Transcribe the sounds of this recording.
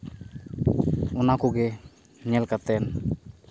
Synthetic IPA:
ɔnakuɡɛ | ɲɛlkat̪ɛn

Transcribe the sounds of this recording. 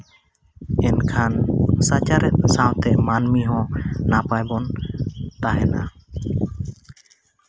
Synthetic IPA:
ɛnkʰansat͡ʃaɾɛt̪̚sawt̪ɛʔmanmiɦɔ̃napajbɔnt̪aɦɛna

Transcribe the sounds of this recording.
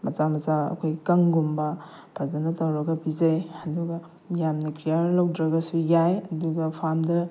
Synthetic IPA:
mɐt͡ʃamɐsaɐ̰kʰojɡkɐŋɡumbɐ | pʰazɐnɐtɐwɾɐɡɐbizɐjɐduɡɐ | jamnikɾijaɾlowdɾɐɡɐsujajɐduɡɐpʰamdɐ

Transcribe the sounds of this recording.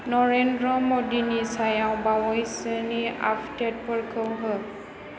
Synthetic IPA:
nɔɹɛndɹɔmodinisajawbawɔjsənia̰ftɛt̚pəɹkʰəwɦə

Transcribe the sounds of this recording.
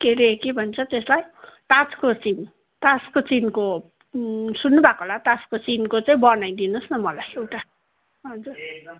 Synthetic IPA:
keɾekebʱʌnt͡sʰʌt̪eslajt̪at͡skot͡sin | t̪at͡skot͡sinko | sunːubakoɦlat̪at͡skot͡sinkot͡saĩbʌnajd̪inosnʌmʌlajewʈa | ɦʌd͡zur

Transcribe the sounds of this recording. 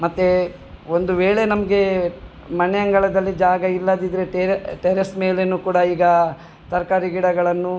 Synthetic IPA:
mɐt̪ːe | o̞nd̪uʋeːɭe̞nɐmɐɡe̞ | mɐneɐŋɡɐɭɐd̪ɐlːid͡ʒaːɡɐilːɐd̪id̪ɾeʈeʈeɾesme̞ːlenuːkuːɽɐiːɡɐ | t̪ɐɾkaːɾiɡiɽɐɡɐɭɐnːu

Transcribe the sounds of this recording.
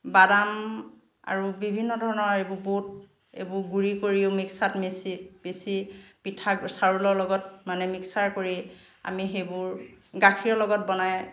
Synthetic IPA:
badam | a̰ɹubibʱinːɔdʱɔɹɔnɔebʊbot̚ | ḛbʊɹɡuɹikoɹiʊmiksatmesib̥esipitʰaksaɹulɔɹlɔɡɔt̚manɛmiksaɹkoɹi | a̰mixejbʊɹɡakʰiɹɔlɔɡɔt̚bɔnaj

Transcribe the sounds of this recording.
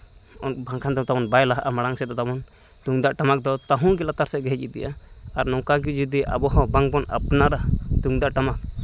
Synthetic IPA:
ɔbaŋkʰand̪ɔt̪amɔnbajlaɦʔamaɽaŋsɛd̪ɔt̪amɔn | t̪uŋd̪aʔʈamak̚d̪ɔt̪aɦũɡɛlat̪aɾsɛɡɛɦɛc̚it̪ɛ̰ja | aɾnɔ̃kaɡ̬id͡ʒid̪iʔa̰bɔɦɔ̃baŋbɔna̰pnaɾat̪uŋd̪aʔʈamak̚

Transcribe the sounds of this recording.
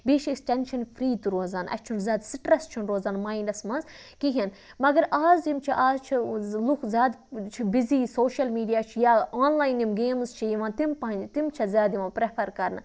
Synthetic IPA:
beːʃiksʈenʃɐnpʰɾiːt̪uɾoːzaːnɐ̰t͡ʃʰunzʲjaːd̪siʈɾɐst͡ʃʰunɾoːzaːnmaːjnɐsmɐnz | kiɦɐn | mɐɡɐɾaːzt̪imt͡ʃʰiʔaːzt͡ʃʰilukzʲaːd̪t͡ʃʰibiziːsoːʃɐlmiːɖijaːt͡ʃʰijaːaːnlaːjnimɡeːmzt͡ʃʰijiʋãːnt̪impɐɐnd͡ʒt̪imt͡ʃʰɐzʲjaːd̪jiʋãːpɾepʰɐɾkɐɾn

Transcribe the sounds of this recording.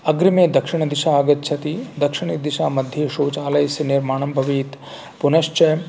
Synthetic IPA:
ɐɡɾimeːd̪ɐkʂiɳ̃ɐd̪iʃaːɐɡɐt̪̚t͡ʃʰɐt̪iːd̪ɐkʂiɳ̃id̪iʃaːmɐd̪ʱjeːʃoːt͡ʃaːlɐjsɐniɾmaːɳɐmbʱɐʋiːt̪ | punɐʃt͡ʃɐj

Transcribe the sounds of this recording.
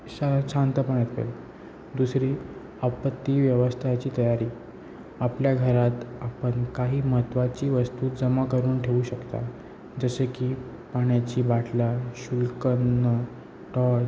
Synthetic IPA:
ɕaɕãnt̪əpəɳat̪ʋḛl | d̪usɾiː | əpət̪ːiːʋjəʋəst̪ʰat͡ɕiːt̪əjaɾiː | apljaɡʱəɾat̪apəɳkaɦiːməɦət̪ːʋat͡ɕiːʋəst̪uːd͡zəmakəɾuːnʈʰeuɕəkt̪a̰ | d͡zəsekiː | paɳjat͡ɕiːbaʈʰlaɕulkənːə | ʈɔ

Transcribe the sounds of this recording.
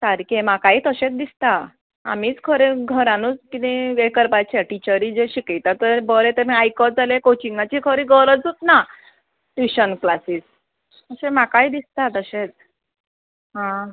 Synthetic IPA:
t̪aɾkẽmakaiːt̪əɕẽt͡sd̪ist̪a | a̰miːt͡skʰəɾeɡʱəɾãnut͡skit̪ĩekəɾpat͡ɕeʈit͡ɕəɾiːd͡zeɕikijt̪at̪əɾbəɾet̪əɾmiajkɔd͡zalekot͡ɕiŋɡat͡ɕiːkʰəɾiːɡəɾət͡sut̪na | ʈiɕənklasiːs | t̪əɕemakaiːd̪ist̪at̪əɕet͡s | ɦã

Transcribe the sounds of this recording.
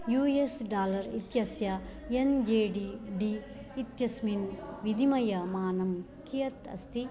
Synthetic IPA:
juːesɖaːlɐɾit̪jɐsjɐend͡ʒeːɖiɖiː | t̪jɐsminʋid̪ʱimɐjɐmaːnɐm | kijɐt̪ɐ̰st̪i

